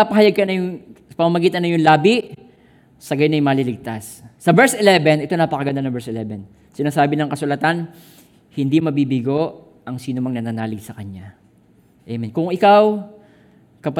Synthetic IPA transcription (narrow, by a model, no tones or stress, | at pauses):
apɐɦɐjaɡ̚kɐnɐjʊŋ | pɐmamɐɡiːt̪ɐnɐjʊŋlaːbɪʔ | sɐɡajnɐjmɐːlɪlɪɡ̚t̪asːɐbɛɹsʔɛlɛbɛnɛt̪o̞naːpɐkɐɡɐnd̪anɐbɛɹsɛlɛbɛn | sɪnaːsaːbɪnɐŋkɐsʊlɐt̪an | hɪnd̪imɐbiːbɪɡo̞ʔ | ʔɐŋsiːnʊmɐŋnɐnanaːlɪɡsɐkɐɲa | ʔɛmɪnkʊŋʔɪkaw | kɐp